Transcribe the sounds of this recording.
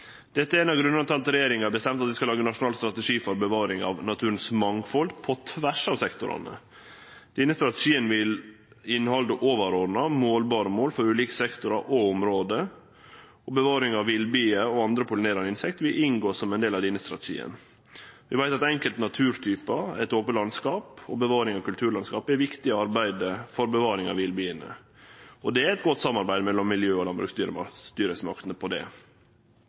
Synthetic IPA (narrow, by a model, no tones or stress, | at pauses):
d̪̥ɛt̪ːəɛɾeːnɑɡɾʉnɑnt̪ʰɑːlt̪ɾɛjeːɾɪŋɑbəst̪ɛmt̪ɑt̪ʋɪskɑlɑːɡənɑʂʊnɑːlst̪ɾɑt̪əʂiːfɔɾbəʋɑːɾɪŋɑ̰ʋnɑt̪ʰʉːɾənsmɑŋfɔld̪pʰɔt̪ʰʋæʂɑːʋsɛkt̪ʊɾɑ̰nə̰ | d̪̥iːnəst̪ɾɑt̪ə̥ʂiːənʋɪl | ɪnːhɔld̪əʔoːʋəɾɔdnɑmoːlbɑːɾəmoːlfɔɾʉːliːkə̥sɛkt̪ʊɾɑɾʔɔʊmɾoːd̪ə | ɔbəʋɑːɾɪŋɑʋɪlbyːəɔɑnd̪ɾəpʰʊlɪneːɾɑnəɪnsɛk̚t̪ʋɪlʔɪŋɡoːsɔmɛnd̪eːlɑʋd̪ɪnəst̪ɾɑ̰t̪ɛʃḭːə̰n | ʋɪʋæɪt̪ɑt̪ɛŋkəlt̪nɑt̪ʰʉːɾt̪ʰyːpɑɛt̪oːpəlɑnskɑːpɔbəʋɑːɾɪŋɑʋkʉlt̪ʰʉːɾlɑnskɑːpɛɾʋɪkt̪ɪəɑɾbæɪd̪əfɔɾbəʋɑːɾɪŋɑ̰ʋɪlbyːənə̰ | ɔd̪ɛæɾɛt̪ɡɔt̪ːsɑmːɑɾbæɪd̪mɛlːɔmːɪljøːɔlɑnbɾʉ̰ːkst̪yːɾəst̪yːɾəsmɑ̰kt̪ənəpʰɔd̪ɛ̰